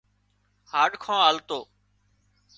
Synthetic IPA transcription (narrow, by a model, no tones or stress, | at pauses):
haːɖkʰãːaːlt̪oː